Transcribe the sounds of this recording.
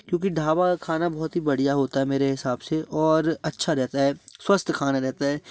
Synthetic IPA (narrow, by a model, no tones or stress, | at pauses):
kjõːk̬iɖʱaːʋakʰaːnabɔɦɔt̪ɦibɐɽ̤ijaɦoːt̪aɦɛmeːɾeɦɪsaːbseʔɔːɾɐtːʃʰaɾɛɦt̪aɦɛːswəst̪ʰkʰaːnaɾɛɦt̪aɦɛː